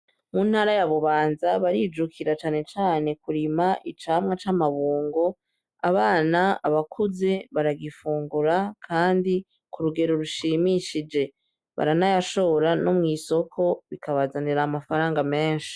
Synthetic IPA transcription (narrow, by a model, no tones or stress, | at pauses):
mun̥haɾajaβuβaːnzaβaɾid͡ʒukʰiɾat͡ʃaːne̞t͡ʃaːne̞kuɾimaʔit͡ʃaːmŋat͡ʃamaβuːŋɡo̞ | aβaːnaaβakʰuze̞βaɾaɡifuːŋɡuɾakʰaːndi | kuɾuɡe̞ɾo̞ɾuʃimiʃid͡ʒe̞ | βa̰ɾanajaʃo̞ɾano̞mŋiːso̞kʰo̞βikʰaβazandeɾaːmafaɾaːŋɡame̞ːnʃi̥